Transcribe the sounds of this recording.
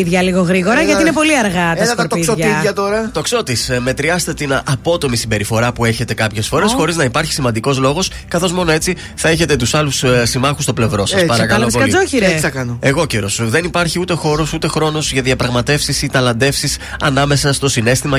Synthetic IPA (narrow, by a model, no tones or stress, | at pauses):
iðʝɐliɣoɣɾiɣo̞ɾɐʝɐt̪iinepo̞liɐɾɣɐt̪ɐst̪ɐɾt̪oisoʝɐiʝɐt̪oɾɐt̪o̞kso̞t̪isme̞t̪ɾiɐst̪e̞t̪inɐɐpo̞t̪o̞misimbe̞ɾifo̞ɾɐpue̞çe̞t̪e̞kɐpçe̞sfo̞ɾe̞sxo̞ɾiznɐipɐɾçi̥simɐnd̪iko̞zlo̞ɣo̞s | kɐθo̞zmo̞no̞e̞t͡si | θɐe̞çe̞t̪e̞t̪usɐlussimɐxu̥st̪o̞ple̞vɾo̞sɐspɐɾɐkɐɐlosokɐlioçiɾeθɐkɐnoeɣo̞ceɾo̞sðe̞nipɐɾçiut̪e̞xo̞ɾo̞sut̪e̞xɾo̞nozʝɐðiɐpɾɐɣmɐt̪e̞fsisit̪ɐlɐnd̪e̞fsisɐnɐme̞sɐst̪o̞sine̞st̪imɐ